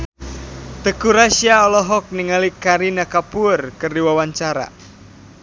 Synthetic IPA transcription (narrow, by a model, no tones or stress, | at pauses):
t̪əkuɾasiaɔlɔɦɔk̚niŋalikaɾinakapurkɨrdiwawaɲt͡ʃaɾa̰